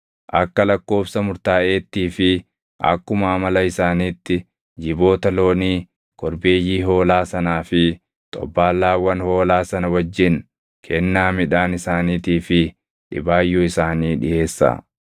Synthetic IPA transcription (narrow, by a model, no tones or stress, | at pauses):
ʔɐkːɐlɐkːo̞ːfsɐmʊɾt̪aːʔe̞ːt̪ːiːfɪ | ʔɐ̰kːʊmaːmɐlɐɪsaːniːt̪ːɪ | d͡ʒɪbo̞ːt̪ɐlo̞ːniː | kʰɔɾbe̞ːjːiːɦo̞ːlaːsɐnaːfɪ | t̪ʼɔ̰bːaːlːaːwːɐnho̞ːlaːsɐnɐwɐd͡ʒːɪn | kʰɛnːaːmɪᶑaːnɪsaːniːt̪iːfɪ | ᶑɪ̰baːjːuːɪsaːniːᶑɪe̞ːsːa̰